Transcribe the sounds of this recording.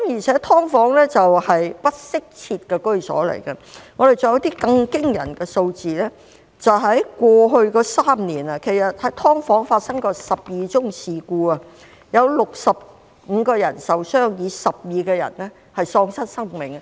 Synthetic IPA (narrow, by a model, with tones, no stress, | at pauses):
kmjiː˨˩t͡sʰɛ˨˥t̪ʰɔː˥ŋfɔː˨˥ŋlɛː˥t͡sɐ˨whɐ˨jpɐ˥t̚sɪ˥k̚t͡sʰiː˧t̚kɛː˧kɵ˥ɥsɔ̰ː˨˥lɐ̰˨˩jkɐ˧ŋɔː˨˧d̪e˨jt͡sɔː˨jɐ˧˥t̪iː˥kɐ˧ŋkɪ˥ŋjɐ̰˨˩nkɛː˧so˧wt͡siː˨lɛ˥ | t͡sɐ˨wɦɐ˨˥jkʷɔː˧ɦɵ˧ɥkɔː˧saː˥mniː˨˩nɐ˨kʰe˨˩jsɐ˨t̚hɐ˨˥jt̪ʰɔː˥ŋfɔː˨˥ŋfaː˧t̚sɐ˥ŋkɔː˧sɐ˨p̚jiː˨t͡sʊ˥ŋsiː˨kuː˧ɐ˨ | jɐ˨˧wlʊ˨k̚sɐ˨p̚ | ŋ̩ː˨˧kɔː˧jɐ˨˩nsɐ˨wsœː˥ŋjiː˨˧sɐ˨p̚jiː˨˧kɛː˧jɐ̰˨˩nlɛ˥ | hɐ˨jsɔː˧ŋsɐ˥nsɐ˥ŋmɪ˨˩ŋ